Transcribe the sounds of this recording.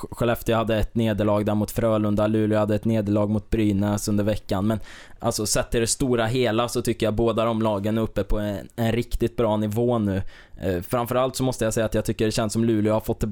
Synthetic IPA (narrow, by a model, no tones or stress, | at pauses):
ɧɛlɛft̪əɾjahad̪ːəɛt̪neːd̪əɭɑːɡd̪æɾmʊt̪fɾœːɭɵnd̪alʉ̟ːlɪhad̪ːəɛt̪neːd̪əɭɑːɡmʊt̪̚bɾyːnɛsɵnd̪əɾvɛkːanmɛn | ʔa̰lsɔsɛt̪ːɪld̪ɛst̪uːɾaɦeːlasɔt̪ʰʏkːəɾjaboːd̪aɾɔmlɑːɡənæɾɵpːəpʰɔɛɛnɾɪkt̪ɪt̪̚bɾɑːnɪvoːnʉ̟ː | fɾamfœɾalt̪sɔmɔst̪əjasɛjːat̪jɑɡt̪ʰʏkːəɖɛɕɛnsːɔmlʉ̟ːlɪhaɾfɔt̪ʰːɪ